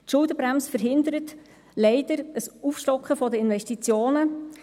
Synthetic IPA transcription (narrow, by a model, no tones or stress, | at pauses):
tʃʊldəbɾamsfəɾɦɪnd̪əɾət | lɛɪd̥əɾəsufʃtɔkχəfɔdəɪnʋɛʃtit͡sjoːnə